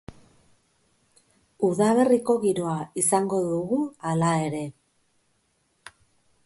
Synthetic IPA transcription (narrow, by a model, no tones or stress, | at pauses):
uðaβe̞riko̞ɣiɾo̞aisaŋɡo̞ðuɣualae̞ɾe̞